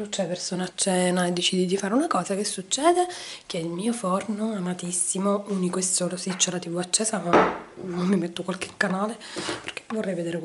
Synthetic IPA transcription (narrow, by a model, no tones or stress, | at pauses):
lut͡ʃːɛpersoːnat͡ʃːɛːnaed̪ːet͡ʃiːd̪id̪ifaːɾeunakɔːzakesːut͡ʃːɛːd̪ek̟eɛilmiːofornoamat̪isːimouːnikoesːoːlosit͡ʃːelat̪ivoat͡ʃːɛːza | nomːimet̪ːokwalke̥kːanaːleperke̥vorːɛjved̪eːɾe